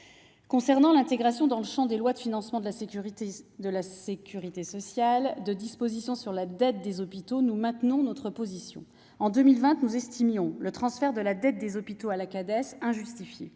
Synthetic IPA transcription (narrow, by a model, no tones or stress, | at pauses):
kɔ̃sɛʁnɑ̃lɛ̃t̪eɡʁasjɔ̃d̪ɑ̃ləʃɑ̃d̪elwad̪əfinɑ̃smɑ̃d̪əlasied̪əlasekʲyʁit̪esɔsjald̪əd̪ispozisjɔ̃syʁlad̪ɛt̪̚d̪ezɔpit̪onumɛ̃t̪nɔ̃nɔt̪χəpozisjɔ̰̃ | ɑ̃d̪ømilvɛ̃t̪nuzɛst̪imjɔ̃lət̪χɑ̃sfɛʁd̪əlad̪ɛt̪̚d̪ezɔpit̪oalakad̪ɛsɛ̃ʒyst̪ifje